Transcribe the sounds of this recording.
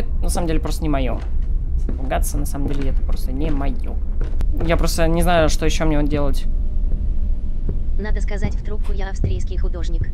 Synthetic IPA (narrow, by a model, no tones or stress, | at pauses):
ɛt̪nɐsaməmdʲelʲɪpɾot̪ənʲɪmɐjo̰sp̪ʊɡat̪sənɐsaməmdʲelʲɪɛt̪ə̥pɾost̪ənʲɪmɐjojapɾo̞st̪ənʲɪznajʊʂt̪ojɪɕːomnʲedʲe̞lˠətʲ | nad̪əskɐzatʲvd̪ɾukːʊjaɐfst̪ɾʲijskʲɪjxʊd̪o̞ʐnʲɪk